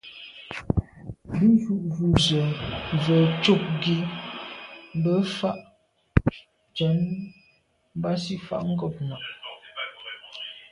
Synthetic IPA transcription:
bʉ˦zu˨ʔzu˨zə˨ɱ˨və˨t͡ʃo˦˨k̚ɡi˨˦ | bə˦fa˦ʔ | t͡ʃə˨˦m˦ | ba˦si˦fa̰˨ʔŋ̩˦ɡɔ˦˨p̚na˨ʔ

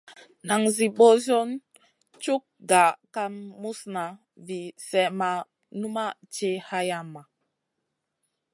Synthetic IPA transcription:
na˨ŋzi˨ɓo˦zo˦n | t͡ʃu˦k̚ɡa˨ka˦mːu˦sna˨ | vi˨sɛ˨ma˨ | nu˦ma˦t͡ʃe˦ha˦ja˦mːa˨

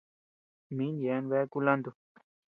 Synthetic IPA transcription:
minjɛ˨nʋɛ˦kulɐ̃˦nd̪u˨

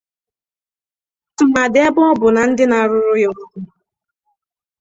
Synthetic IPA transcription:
tʊ˨ma˨dɪ˨e˦bɔ˦bʊ˨na˨n̩˦dɪ˦na˨ɾʊ˦ɾʊ˦jo˨ŋu˦ku˦

